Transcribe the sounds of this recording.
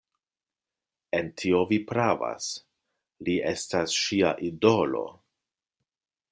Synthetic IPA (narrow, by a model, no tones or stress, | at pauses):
e̞ntʰio̞vipɾava̰s | lie̞stasʃia̰ʔidolo̞̰